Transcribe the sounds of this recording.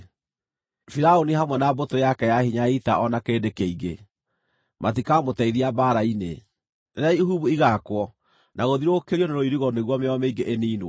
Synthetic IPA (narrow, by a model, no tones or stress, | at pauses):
fiɾaoniɦamwɛnabotojakɛjahiɲaitaʔɔnakeːdekeiɡe | mʔatikamotɛiðiabaːɾaine | naɾeaiɦuβuiɣakwɔ | nʔaɣoðiɾokeɾiɔneɾoiɾiɣɔneɣwɔmeɔameiŋɡeʔeniːno